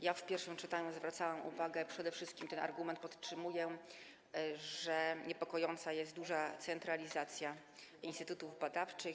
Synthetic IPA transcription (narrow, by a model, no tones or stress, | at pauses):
jafpʲjɛɾfʂɨmt͡ʂɘt̪aɲuzvɾat̪sawamʔṵvaɡɛpʂɛd̪ɛfʂɘst̪kʲimt̪ɛna̰ɾɡumɛnt̪̚pɔt̪ʂɘmujɛ | ʐɛɲɛpɔkɔjɔnt̪sajɛst̪̚d̪uʐat̪sɛnt̪ɾalʲizat̪sʲja | inst̪ɘt̪ut̪uvbad̪aft͡ʂɘx